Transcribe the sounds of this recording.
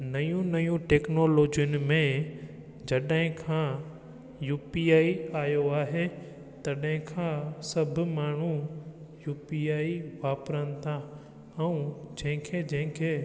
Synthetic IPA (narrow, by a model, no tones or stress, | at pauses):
nɐjũnɐjũʈeːknoːloːd͡ʒijʊnɪ̆mẽ | d͡ʑɐɗɦɪ̃kʰãː | juːpiaːiaːjoaːɦe | t̪ɐɗɦɪ̃kʰãːsɐbʱmaːɳ̤ũ | juːpiaːiʋaːpɾənɪ̆t̪ʰa | ɛ̃ũd͡ʑɐ̃ɦɪ̃kʰed͡ʑɐ̃ɦɪ̃kʰeː